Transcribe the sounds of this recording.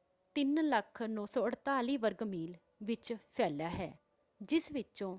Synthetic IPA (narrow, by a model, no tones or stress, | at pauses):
t̪ɪnləkʰnɔ̃ːsɔːəɽt̪aːliːʋəɾɡmiːl | ʋɪt͡ʃpʰɛːljaːɦɛ̰ː | d͡ʒɪsʋɪt͡ʃõː